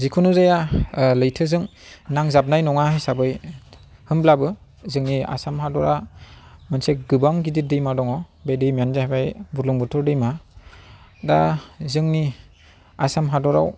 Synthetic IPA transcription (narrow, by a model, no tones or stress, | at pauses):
zikʰunuzajalɯjtʰɯzɯŋnaŋzap̚najnɔŋahajsabɯj | hɯmblabɯ | zɯŋnia̰samɦadɔɾa | mɯnseɡɯbaŋɡidit̚dɯjmadɔŋɔbedɯjmjanzahabajbuɾlɔŋbɯtʰɔɾdɯjma | da̰zɯŋni | asamɦadɔɾa̰w